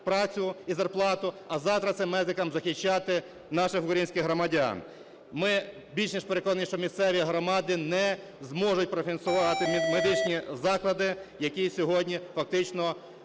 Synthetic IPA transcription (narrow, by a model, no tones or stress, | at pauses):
pɾɑt͡sʲʊizɐrplˠɑt̪ʊɐzɑwt̪ɾɐt̪sɛmːɛzɪkɐmzɐxɪt͡ʃːɑt̪ɪ | nɑʃɪxʊkɾɐjinʲsʲkʲɪxɦɾɔmɐdʲa̰n | mɪ | bʲilʲʃnʲiʃpeɾekɔnɐnʲiʃt͡ʃɔmʲist̪sɛʋʲiɦɾɔmɑd̪ɪnɛ | zmɔʒʊt̚ʲpɾɔfʲinsʊʋɑt̪ɪmed̪ɪt͡ʃnʲizɑklˠɐd̪ɪjɐkʲisʲɔɦɔdʲnʲifɐk̚t̪ɪt͡ʃnɔ